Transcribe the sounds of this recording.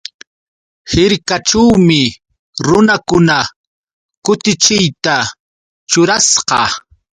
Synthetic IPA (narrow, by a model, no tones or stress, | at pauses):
hɪɾkaʈ͡ʂawmɪ | ɾʊnakʊna | kʊt̪ɪt͡ʃɪjt̪a | t͡ʃʊɾasqɑ̰